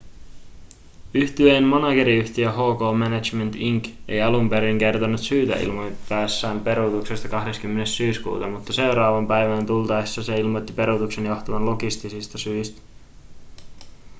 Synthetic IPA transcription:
yht̪yenmo̞nɑɡe̞ɾiyçt̪iøɦo̞ːko̞ːmænæt͡ʃment̪iŋke̞̰jɑlumpe̞ɾiŋke̞rt̪onːut̪syːt̪æ̰ḭlmojtæːsːæːmpe̞ɾut̪uksest̪ɑkɑhdeskymːe̞nessyːskṵːt̪ɑmut̪ːɑse̞wɾɑːʋɑmpæjʋænt̪ult̪ɑjsːɑse̞ilmot̪ːipe̞ɾut̪ukse̞njo̞ht̪ɑʋɑnlo̞ɡist̪isist̪ɑsyist̪æ̥

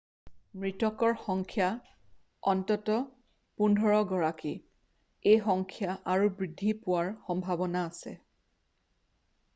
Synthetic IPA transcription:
mɹitɔkɔɹxɔŋkʰja | ɔntɔtɔ | pundʱɔɹɔɡɔɹaki | ejxɔŋkʰjaʔaɹubɹidʱːipʊwaɹxɔmbʱabɔnaːsɛ̰

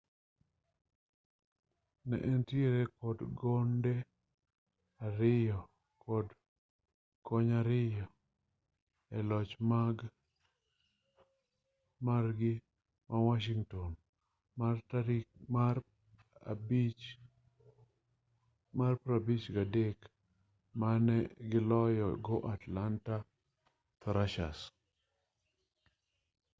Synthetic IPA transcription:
nɛ̰ʔɛntjeɾɛkɔdɡɔndɛ | aɾɪɔ | kɔd | kɔɲaɾɪjɔ | ɛlɔt͡ʃmaɡ | marɡɪ | mawaʃiŋtɔn | martaɾima̰ | b | marpɾabit͡ʃɡadek | manɛɡɪlɔjɔɡɔʔatlanta | t̪ɔɾaʃa̰s

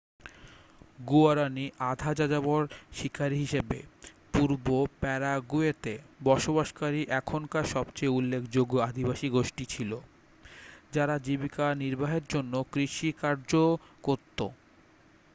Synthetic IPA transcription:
ɡuaɾaniʔad̪ʱad͡ʑad͡ʑaboɾʃikʰaɾɦiʃebḛ | puɾbopɛɾaɡuet̪ebɔʃobaʃkaɾiʔɛkʰonkaʃɔbt͡ɕejulːekʰd͡ʑoɡoad̪ʱibaʃiɡoʃʈit͡ɕʰilo | d͡ʑaɾad͡ʑibikaniɾbaɦeɾd͡ʑonːokɾiʃikaɾd͡ʑokoɾt̪ːo

